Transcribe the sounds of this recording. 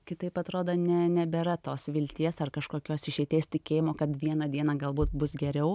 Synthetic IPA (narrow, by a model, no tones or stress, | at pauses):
kʲɪt̪ɐɪpɐt̪ɾoːd̪oːnʲɛnʲɛbʲɛɾɐt̪oːsʋʲɪlʲt̪ʲiɛsɐrkɐʃkoːkʲoːsɪʃʲɛɪt̪ʲeːsʲt̪ʲɪkʲeːjɪmoːkɐt̪ʋʲiɛnɐd̪ʲiɛnɐɡɐlˠbuːt̪̚bʊsɡʲɛɾʲɛʊ